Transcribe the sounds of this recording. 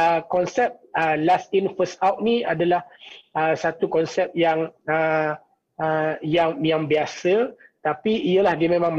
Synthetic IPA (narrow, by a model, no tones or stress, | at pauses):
əkɔnsɛp̚əlasinfəsawt̚nĩadalahəsat̪ukɔnsɛp̚jaŋə | jaŋjaŋbiasət̪apiijəlahdiəmẽmãŋm